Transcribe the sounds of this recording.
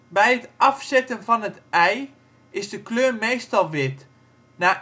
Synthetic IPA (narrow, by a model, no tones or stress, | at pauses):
bɛjətʔɑfsɛtənvɔnətɛj | ɪzdəkløːrmeːstɔlˠʋɪt | na